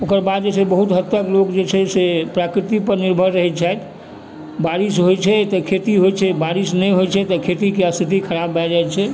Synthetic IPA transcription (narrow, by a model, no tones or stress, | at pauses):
okəɾbad̪̚d͡ʒet͡ʃʰɛbəɦut̪ɦət̪ːəklokd͡ʒet͡ʃʰɛsepɾakɾit̪ipəɾniɾbʱəɾːəɦɛt͡ʃʰajt̪ʰ | baɾisɦojt͡ʃʰɛt̪ɔkʰet̪iɦojt͡ʃʰɛbaɾisnəɦojt͡ʃʰɛt̪ɔkʰet̪ikeəst̪ʰit̪ikʰəɾabːɛd͡ʒaɛt͡ʃʰɛ